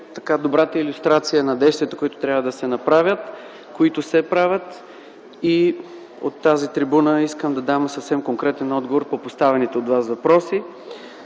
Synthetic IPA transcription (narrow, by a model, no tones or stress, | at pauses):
t̪ɐ̥kad̪obɾat̪əilʲʊst̪ɾat̪sijənɐd̪ɛjst̪vʲɛt̪ə̥koit̪ʊ̥t̪ɾʲjabvəd̪ɐsɛnɐpɾavʲət̪ | koit̪ʊsɛpɾavʲət̪ | i | o̰t̪ːazit̪ɾibunəiskəmd̪ɐd̪amsəfsɛmkoŋkɾɛt̪ɛnɔd̪ɡovoɾpopost̪avɛnit̪ɛod̪vasvɐpɾɔsi